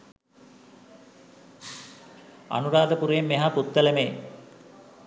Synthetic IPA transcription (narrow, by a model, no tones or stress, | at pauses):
a̰nuɾaːd̪əpuɾeːmːeɦaput̪ːələmej